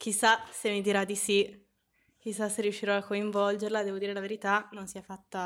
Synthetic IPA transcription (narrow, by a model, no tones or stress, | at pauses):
k̟isːasemːid̪iɾad̪ːisi | k̟isːasːerːjuʃːiɾɔakːoiɱvɔld͡ʒeɾlad̪ɛːvod̪iːɾelaveɾit̪anonsiɛfːat̪ːa